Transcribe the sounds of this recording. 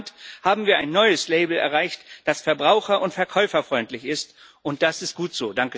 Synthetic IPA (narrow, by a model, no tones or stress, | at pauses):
nthaːbm̩viːɐʔaɪnːɔʏəsleɪbl̩ɛ̰ɐʁaɪçtd̥asfɛɐbʁaʊxɐʔʊntfɛɐkʰɔʏfɐfʁ̥ɔʏntlɪçɪst | ʔʊnt̚d̥asɪst̚ɡ̥uːtz̥oːdaŋkə